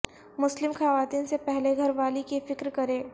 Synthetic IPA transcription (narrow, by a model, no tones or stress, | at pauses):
mʊslɪmxaːʋaːt̪iːnsepɛɦleɡʱɐɾʋaːlikefɪkɾkɐɾẽː